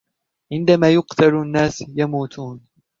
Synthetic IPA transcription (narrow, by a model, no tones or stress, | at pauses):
ʕɪnd̪amaːjʊqt̪ʰalnːaːsjamuːt̪ʰuːn